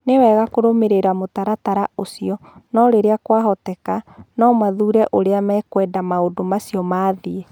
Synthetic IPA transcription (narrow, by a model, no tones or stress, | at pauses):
newɛɣakoɾomeɾeɾamotaɾataɾaosiɔnɔɾeɾeakwaɦɔtɛkanɔmaðuɾɛʔoɾeamɛkwɛːdamaodomasiɔmaːðie